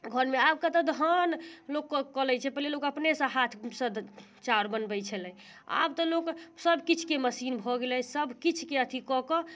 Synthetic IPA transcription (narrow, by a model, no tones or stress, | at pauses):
ɡʱəɾmeab̚kət̪ɔd̪ʱɦənlokːəlɛjt͡ʃʰɛpəɦlelokəpnesə̃ɦat̪ʰsə̃d̪ | t͡ʃaɾbənbəjt͡ʃʰəlɛ | a̰bt̪ɔloksəbʱkit͡ʃʰkeməsinbʱɔɡelɛsəbʱkit͡ʃʰkeət̪ʰikɔkɔ